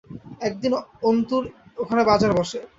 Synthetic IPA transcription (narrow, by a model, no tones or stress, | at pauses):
ɛk̚d̪inont̪uɾokʰanebad͡ʑaɾbɔʃe